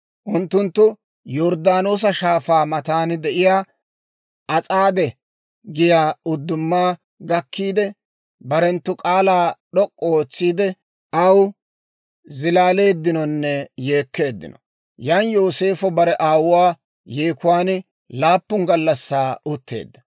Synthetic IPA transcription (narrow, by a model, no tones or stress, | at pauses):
ʔʊnt̪ːʊnt̪ːʊ | jɔɾd̪aːno̞ːs̬ɐʃaːfaːmɐt̪aːnd̪ɛʔɪjaː | ʔɐt͡sʼaːd̪ɛ | ɡɪjaːʊd̪ːʊmːaː | ɡɐkːiːd̪ɛ | bɐɾɛnt̪ːʊkʼaːlaːɗɔkʼːɔoːt͡sːiːd̪ɛ | ɐw | zɪlaːle̞ːd̪ːɪnɔnːɛje̞ːkːe̞ːd̪ːɪ̰nɔ | janjo̞ːse̞ːfɔbɐɾɛʔaːwʊwaː | jeːkʊwaːn | laːpːʊŋɡɐlːɐsːaːʊt̪ːe̞̰ːd̪ːɐ̥